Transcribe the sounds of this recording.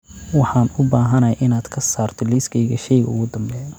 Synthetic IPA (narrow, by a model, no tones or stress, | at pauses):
wɑħɑːnʊbaːɦɐnɐʔɪnaːd̪kʰɐsaːrt̪ʰɔliskʰɛjɣɐʃɛjɣɐʊ̰ɣʊd̪ɐmbɛːn